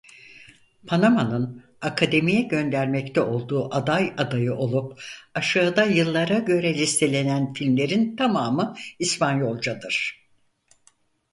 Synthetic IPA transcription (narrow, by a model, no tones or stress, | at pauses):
pʰanamanɯn | akʰad̪e̞mijɛɟø̞nd̪æɾmɛct̪ʰɛo̞lˠd̪uːʔad̪ajad̪ajɯʔo̞lˠupaʃaːd̪ajɯlˠːaɾaɟø̞ɾɛlʲist̪ʰe̞lʲe̞nænfilʲmlʲe̞ɾint̪ʰamaːmɯispʰanjo̞lˠd͡ʒad̪ɯɾ̥